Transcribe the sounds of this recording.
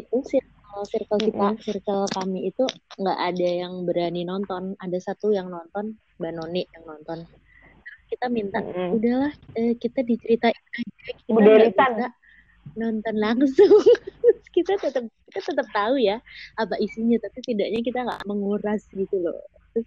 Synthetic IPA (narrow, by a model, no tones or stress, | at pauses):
it̪usɪrkəlsɪrkəlkit̪asirkəlkamiːt̪uŋɡa̰ʔadajaŋbəɾaninɔnt̪ɔnadasat̪ujaŋnɔnt̪ɔn | banɔnɪʔjaŋnɔnt̪ɔn | t̪ɾəkit̪amint̪aʔudahlahəːkit̪adit͡ʃəɾit̪ainad͡ʒakinaak̪at̪a | nɔnt̪ɔnlaŋsʊŋkit̪at̪ət̪əp̚kit̪at̪ət̪əp̚t̪aujaapaʔisiɲat̪apit̪idaʔɲak̬it̪aŋɡa̰ʔməŋuɾasɡit̪ulɔ̰ | t̪ʊs